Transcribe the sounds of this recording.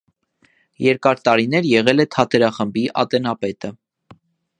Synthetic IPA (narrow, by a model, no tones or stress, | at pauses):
jɛɾkɑɾt̪ɑɾinɛɾjɛʁɛlɛt̪ʰɑt̪ʰɛɾɑχəmbiʔɑ̰t̪ɛnɑpɛt̪ə